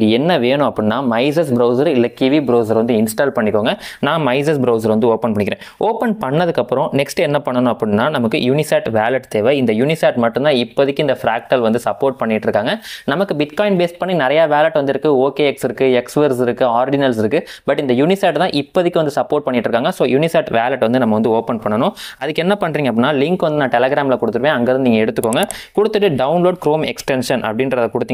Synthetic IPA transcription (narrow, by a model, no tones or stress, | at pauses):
ɡɐɛnːɐʋeːnʊ̃ɐpːɐɽɯnːaːmɐɪs̬ɐsbɾɐʊs̬ɐɾɪlːɐkiʋibɾoːs̬ɐɾʋɐnd̪ɯɪnsʈaːlpɐɳːɪkːoːŋɡɐnãːmɐɪs̬ɐsbɾɐʊs̬ɐɾʋɐnd̪ɯoːpɐnpɐɳːɪkɪɾẽːoːpɐnpɐɳːɐðɯkːɐpːɯɾɔ̃nɛksʈɛnːɐpɐɳːɐnʊ̃ɐpːɐɽɯnːaːnɐmɐkːɯ̰juːnɪsaːʈʋaːlɐʈt̪eːʋɐɪnd̪ɐjuːnɪsaːʈmɐʈːɯ̃nt̪ãːɪpːoðɪkːɪnd̪ɐfɾaːk̚ʈɐlʋɐnd̪ɯsɐpːoːɾʈ̚pɐɳːɪʈːɾɯkːaːŋɡɐnɐmɐkːɯbɪʈkaːɪnbeːsʈ̚pɐɳːinɪɾɐjaːʋeːlɐʈːʋɐnd̪ɪɾɯkːɯoːkeːɛksɪɾɯkːɯɛksʋɐɾsɪɾɯkːɯaːɾɖɪnɐls̬ɪɾɯkːɯbɐʈːɪnd̪ɐjuːnɪsaːʈt̪ãːʔɪpːɐðɪkːɯʋɐnd̪ɯsɐpːoːɾʈ̚pɐɳːɪʈːɾɯkːaːŋɡɐsoːjuːnɪsaːʈʋaːlɐʈʋɐnd̪ɯnɐmːɐʋɐnd̪ɯoːpɛnpɐɳːɐnʊ̃ɐðɯkːɛnːɐpɐɳːɾiːŋɡɐp̬ːɽɪnːaːlɪŋkʋɐnd̪ɯnãːʈɛlɛɡɾaːmlɐkʊɽɯt̪ːɯʋẽːɐŋɡɐɾnɯniːŋɡɐɛɽɯt̪ːɯkːoːŋɡɐkʊɽɯt̪ːɯʈːɯɖɐʊnloːɖkɾoːmɛksʈɛnʂɐnʔɐ̰pːɽɪnɾɐðɐkʊɽɯt̪ːiːŋ